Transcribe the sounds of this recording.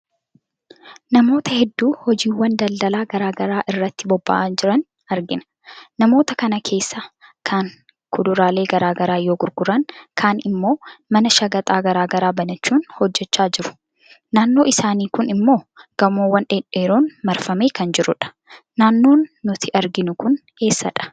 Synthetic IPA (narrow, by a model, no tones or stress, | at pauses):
nɐmo̞ːt̪ɐhɛd̪ːuːhɔd͡ʒiːwːɐnd̪ɐld̪ɐlaːɡɐɾaːɡɐɾaːʔɪrːɐt̪ːɪbɔbːɐ̰ʔaːnd͡ʒɪɾɐn | ɐɾɡɪnɐ̥ | nɐmo̞ːt̪ɐkɐnɐkʰe̞ːsːakʰɐn | kʰʊd̪ʊɾaːle̞ːɡɐɾaːɡɐɾaːjoːɡʊɾɡʊɾɐnkʰaːnɪmːo̞ːmɐnɐʃɐɡɐt̪ʼaːɡɐɾaːɡɐɾaːbɐnɐt͡ʃːuːnhɔd͡ʒːɛt͡ʃːaːd͡ʒɪɾʊ̥ | naːnːo̞ːʔɪsaːniːkʊnɪmːo̞ːɡ̥ɐmoːwːɐnᶑeːᶑeːɾoːnmɐɾfɐme̞ːkɐnd͡ʒɪɾʊᶑɐ̥ | naːnːo̞ːnːʊt̪ʰɪʔɐɾɡɪnʊkʊn | e̞ːsːɐ̰ᶑɐ̥